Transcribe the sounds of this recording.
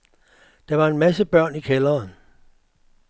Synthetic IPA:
d̥ɑ̈ʋɑ̈e̝nmæsəb̥ɶɐ̰nikʰelɐːn

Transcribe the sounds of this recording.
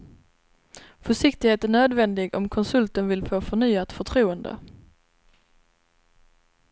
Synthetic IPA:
fœʂɪk̚t̪ɪɡheːt̪æɳøːd̪vɛnd̪ɪɡɔ̰mkʰɔnsɵlt̪ənvɪlfoːfœɳyːat̪fœʈʰɾuːənd̪ə̰

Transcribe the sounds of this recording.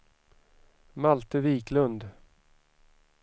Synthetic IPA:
malt̪əviːkʰlɵnd̪

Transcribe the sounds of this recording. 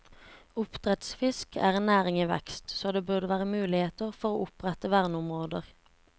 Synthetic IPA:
ʊpt̪ʁɛt̪sfɪskʰæ̰ːʁennæːʁɪŋiːʋɛ̰kst̪soːd̪eːbʉʁd̪əʋæːʁəmʉːlɪheːt̪əʁfɔʁo̰ːʔʊpʁɛt̪əʋæʁnʊmʁoːd̪əʁ

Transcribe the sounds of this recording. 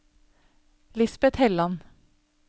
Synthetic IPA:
lɪsbət̪hɛlɑn

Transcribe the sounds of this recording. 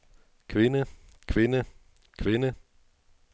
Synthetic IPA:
kʰʋe̝nə | kʰʋe̝nə | kʰʋenə

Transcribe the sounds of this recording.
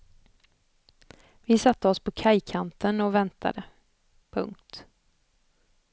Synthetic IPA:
vɪsat̪ːəɔspʰɔkʰajkʰant̪ənɔvɛnt̪ʰa̰d̪ə | pʰɵ̰ŋkt̪

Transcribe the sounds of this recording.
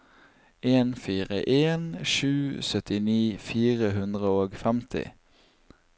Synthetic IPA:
eːnfiːʁə̰ʔeːnʃʉːsœt̪ɪniːfiːʁəhʉnd̪ʁəoːɡfɛmt̪ʰɪ̰

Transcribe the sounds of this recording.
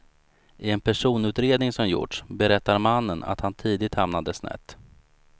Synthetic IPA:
ʔɪɛnpʰæʂuːnʉ̟ːt̪ɾeːd̪nɪŋsɔmjʊ̰ʈʂbɛɾɛt̪ːaɾmanːəna̰t̪hant̪ʰiːd̪ɪt̪hamnad̪əsnɛ̰t̪ː

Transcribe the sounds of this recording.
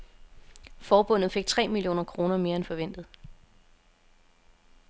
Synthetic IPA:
fɒːb̥ɔ̽n̰ð̩ˠfe̝ɡ̥̚t͡sʰʁɛ̰ːmilijo̝̰ːnɐkʰʁo̝ːnɐme̝ːɐenfɒ̽ʋen̰d̥ð̞̩ˠ

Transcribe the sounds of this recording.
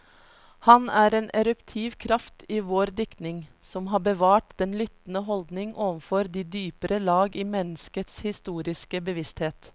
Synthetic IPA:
hɑnæːɾeːnʔɛɾʉpt̪ʰiːʋkʰɾɑft̪iːʋoːɾd̪ɪkt̪nɪŋ | sɔmɦɑːbəʋɑːʈd̪̥ɛnlʏt̪n̩əɦɔld̪nɪŋʔoːʋənfɔɾd̪iːd̪yːpəɾəlɑːɡiːmɛnəskət̪shɪst̪uːɾɪskəbəʋɪst̪heːt̪

